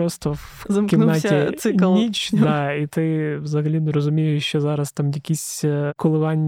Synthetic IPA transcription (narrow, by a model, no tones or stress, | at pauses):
ɾost̪əfzɐmkʲɪmnatʲɪsɨklˠnʲit͡ɕdd̪ait̪ɪzɐɣlʲid̪ʊɾəzʊmʲijʊjɕːozaɾɐst̪amjɐkʲisʲkʊlˠɨʋanʲ